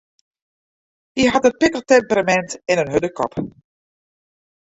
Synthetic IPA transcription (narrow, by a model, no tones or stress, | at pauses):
iɦatənpɪkəlˠtɛmpəramɛntɛnənɦødəkʰɔ̰p